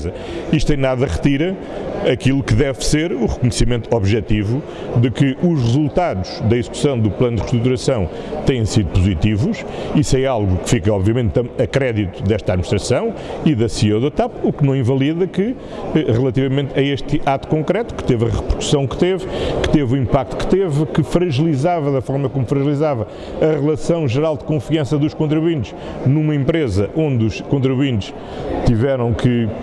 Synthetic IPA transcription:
zɐ | iʃt̪ẽj̃naðɐʁɨt̪iɾɐ | ɐkilˠukɨðɛvseɾuʁɨkuɲsimẽnt̪uɔβʒɛt̪ivu | ðɨkɨʔuʃʁɨzulˠt̪aðuʒ̥ðɐizku̥sɐ̃w̃d̪uplˠɐ̃nud̪ʁɨʃt̪ɾut̪uɾɐsɐ̃w̃ | t̪ɐ̃jẽj̃siðupuzit̪ivuʃ | isɛalˠɣukɨ̥fikɐɔβviɐmẽnt̪ɐɐkɾɛðit̪uðɛʃt̪aðminiʃt̪ɾɐsɐ̃w̃iðɐsioðot̪apuknɐ̃w̃ĩvɐlˠiðɐkɨ | ɛʁɨlˠɐt̪ivɐmẽnt̪ɐeʃt̪ɨat̪u̥kõkɾɛt̪u̥kɨ̥t̪evɐʁɨpɨɾku̥sɐ̃w̃kt̪evkɨ̥t̪evuĩmpak̚t̪u̥kt̪evkɨfɾɐʒɨlˠizavɐðɐfɔɾmɐkomufɾɐʒlˠizavɐ | ɐʁɨlˠɐsɐ̃w̃ʒɨɾalˠd̪kõfiɐ̃sɐðuʃkõnt̪ɾiβwĩnt̪uʃ | numɐẽmpɾezɐʔõnd̪uʃkõnt̪̬ɾiβwĩnt̪uʃ | t̪ivɛɾɐ̃w̃kʰɨ

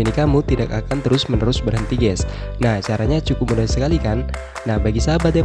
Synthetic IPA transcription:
inikamut̪idakakant̪əɾʊsmənəɾʊsbərɦənt̪iɡɛs | naht͡ʃaɾaɲat͡ʃukʊp̚mənəɾsəkalikanː | ahbaɡisabad̪ɛ

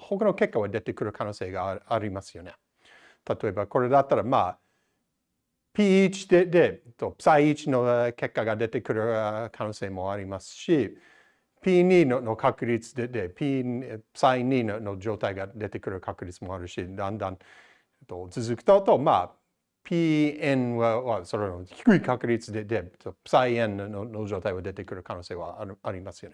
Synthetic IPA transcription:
hokano̞ke̞kːaβad̪e̞t̪e̞kɯ̟ɾɯ̟kʰanoːse̞ːɡaaɾʲimasɨ̥jo̞ne | t̪ʰat̪o̞e̞bako̞ɾe̞d̪at̪ːaɾama̰ː | pʲiːt͡ʃi̥d̪ed̪eet̪ːopsaiit͡ʃinoke̞kːaɡad̪e̞t̪e̞kɯ̟ɾɯ̟kʰano̞ːse̞ːmo̞aɾʲimasɨ̥ʃi | pʲiːniːnonokʰakɯ̟ɾʲit͡sɨ̥d̪ed̪epʰipsaininonod͡ʒo̞ːt̪ajɡad̪e̞t̪ekɯ̟ɾɯ̟kʰakɯ̟ɾʲit͡sɨmo̞aɾɯ̟ʃid̪ãnd̪ãn | et̪ːot͡sɨzɨkɯ̥t̪at̪o̞ma̰ | pʰiẽnwaβasoɾonoçi̥kɯikakɯ̟ɾit͡sɨd̪ed̪et̪ːopsajẽnːnonod͡ʒo̞ːt̪ajβad̪e̞t̪ekɯ̟ɾɯ̟kanoːseːβa̰aɾimasɨjone

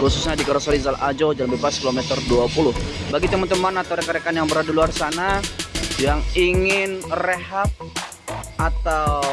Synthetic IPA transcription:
kususɲadikaɾasalizalʔad͡ʒod͡ʒalambebaskilomɛt̪ərduapulʊhbaɡit̪əmant̪əmanat̪awɾɛkaɾekanjaŋbəɾadiluarsana | jaŋiŋɪnreɦap̚ | at̪aww

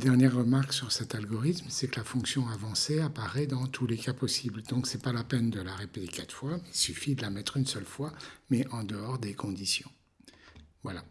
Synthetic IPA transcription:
d̪ɛʁnjɛʁːəmaʁksyʁsɛt̪alɡɔʁit̪msɛkəlafɔ̃ksjɔ̃avɑ̃seapaʁɛd̪ɑ̃t̪ʰulekapɔsibld̪ɔ̃ksɛpalapɛnd̪əlaʁepet̪ekat̪fwailsyfid̪əlamɛt̪χynsœlfwamɛʔɑ̃d̪əɔʁd̪ekʰɔ̃d̪isjɔ̃ | vwala

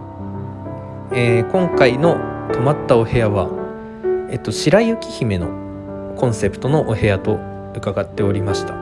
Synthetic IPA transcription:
eːkõ̞ŋkaino̞t̪o̞mat̪ːao̞he̞jaβa | et̪ːo̞ɕiɾaiɯ̟kʲi̥çime̞no̞ | kõ̞ɰ̃se̞pɯ̟̥t̪o̞no̞ʔohe̞jat̪o̞ | ɯ̟kaɡat̪ːe̞o̞ɾʲimaɕi̥t̪ḁ

